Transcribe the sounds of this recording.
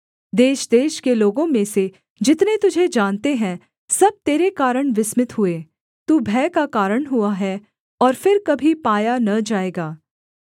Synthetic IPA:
d̪eːʃd̪eːʃkeloːɡõmẽse | d͡ʒɪt̪net̪ʊd͡ʒʱed͡ʒaːnt̪eɦɛ̃ | sɐb̚t̪eːɾekaːɾəɽ̃ʋɪsmɪt̪ɦʊeː | t̪uːbʱɛːkakaːɾəɽ̃ɦuaɦɛ | ɔːɾfɪɾkɐbʱipaːjanɐd͡ʒaːeːɡaː

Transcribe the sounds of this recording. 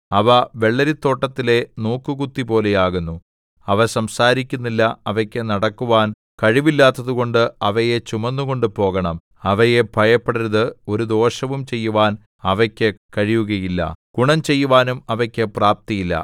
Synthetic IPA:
ɐʋɐʋe̞ɭːɐɾit̪ːo̞ːʈːɐt̪ːile̞noːkːɨkut̪ːipo̞ːle̞jaːɣunːu | ɐʋɐsɐmsaːɾikʲːunːilːɐɐʋɐkʲːɨnɐɽɐkːuʋaːn | kɐɻiʋilːaːt̪ːɐðuɣo̞ɳɖɨɐʋɐjet͡ɕumɐnːuɣo̞ɳɖɨpo̞ːɣɐɳɐm | ɐʋɐjebʱɐjɐpːeɽɐɾɐðɨo̞ɾud̪o̞ːɕɐʋumt͡ɕe̞jːuʋaːn | ɐʋɐkʲːɨkɐɻijuɣɐjilːɐ̰ɡ̥uɳɐmt͡ɕe̞jːuʋaːnumɐʋɐkʲːɨpraːp̚t̪ijilːɐ̰

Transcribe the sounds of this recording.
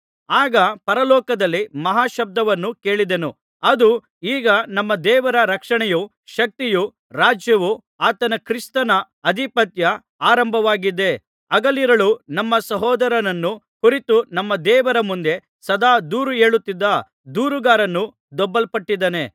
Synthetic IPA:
aːɡɐpɐɾɐlɔːkɐd̪ɐlːimɐɦaːʃɐb̚d̪ɐʋɐnːuke̞ːɭid̪enu | ɐd̪u | iːɡɐnɐmːɐd̪ɛːʋɐɾɐɾɐkʂɐɳɛju | ʃɐk̚t̪iju | ɾaːd͡ʒjɐʋu | aːt̪ɐnɐkɾist̪ɐnɐ | ɐd̪ʱipɐt̪jɐ | aːɾɐmbʱɐʋaːɡid̪e̞ | ɐɡɐliɾɐɭunɐmːɐsɐɦɔːd̪ɐɾɐnɐnːu | kuɾit̪unɐmːɐd̪ɛːʋɐɾɐmund̪e̞ | sɐd̪aːd̪uːɾueːɭut̪ːid̪ːɐ | d̪uːɾuɡaːɾɐnːu | d̪ɔbːɐlpɐʈːid̪ɐne

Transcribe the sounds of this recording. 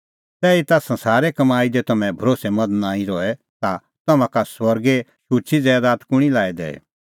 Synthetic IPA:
t̪ɛːit̪asɐ̃nsaːɾɛkɐmaːid͡ʒet̪ɐmɛ̃bʱɐɾoːsɛmɐd̪naːĩɾɔɛ | t̪a | t̪ɐmãkaswɐɾɡeʃʊt͡ʃʰid͡zɛːd̪aːt̪kʊɽ̃ilaːɛd̪ɛ̰ː

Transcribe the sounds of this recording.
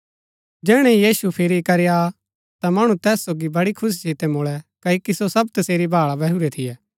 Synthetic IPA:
d͡ʒɛːɽ̃ɛ̃ijiːsupʰɪɾikɐɾeja | t̪amɐɽ̃ut̪ɛːsːoːɡibɐɽikʰʊs̬t͡ʃʰit̪ɛmoːɭɛkɐikisosɐbt̪ɐseːɾibʱaːɭabɛɦuɾɛt̪ʰɪjɛː

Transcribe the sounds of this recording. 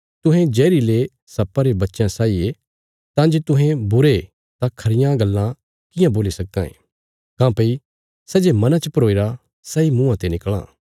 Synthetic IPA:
t̪ʊɦɛ̃d͡ʒɛːɾile | sɐpːaɾebɐtːʃjãsaːie | t̪ãd͡ʒet̪ʊɦɛ̃bʊɾe | t̪ãkʰɐɾɪjãɡɐlːã | kɪ̃jãboːlisɐkːã̰ḛ̃ː | kãːpɐi | sɛd͡ʒemɐnãt͡ʃəpɐɾoːiɾa | saːimũːãt̪enɪkɭ̃ã̰ː

